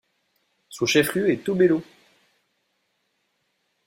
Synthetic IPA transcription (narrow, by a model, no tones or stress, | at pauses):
sũʃɛfχyet̪ubelo